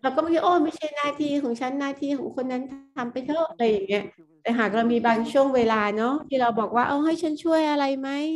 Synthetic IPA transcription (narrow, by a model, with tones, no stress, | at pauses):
ɾa˧wkɔː˥˩m˦kʰiː˦˥˩ʔoː˧˩ma˥˩jt͡ɕʰa˥˩jnaː˥˩t̪ʰiː˧kʰɔː˩˦ŋt͡ɕʰa˦˥nːaː˥˩t̪ʰiː˧kʰɔː˩˦ŋkʰo˧nːa˦˥nt̪ʰt̪ʰa˧mpa˧jt̪ʰɤ˥˩ɾa˧jːa˨˩ŋːi˦˥ɐt̪ɛː˨˩ɦaː˨˩k̚ɾa˧wmiː˧baː˧ŋt͡ɕʰu˥˩əŋweː˧laː˧nɔ˦˥t̪ʰiː˥˩ɾa˧wbɔː˨˩k̚waː˥˩ʔo˧˩ɦa˥˩jt͡ɕʰa˦˥nt͡ɕʰu˥˩əjʔa˧ɾa˧jma˦˥j